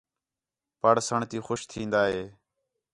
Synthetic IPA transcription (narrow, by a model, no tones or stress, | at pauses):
pəɽsəɳt̪iːxʊʃt̪ʰĩːnd̪aːɦeː